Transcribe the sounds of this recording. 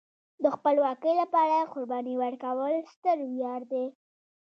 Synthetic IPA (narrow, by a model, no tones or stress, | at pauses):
d̪əxpəlwɑkəjlapɑɾaqʊɾbɑniwəɾkawəlst̪əɾwjɑɾd̪e